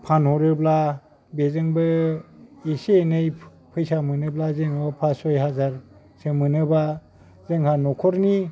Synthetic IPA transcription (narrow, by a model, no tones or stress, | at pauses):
pʰanhɔɾɯbla | bezɯŋbɯ | esenɯj | pʰɯjsamɯnɯblazeŋbapʰasɔjɦazaɾ | sɯmɯnɯba | zɯŋhanɔkʰɔɾni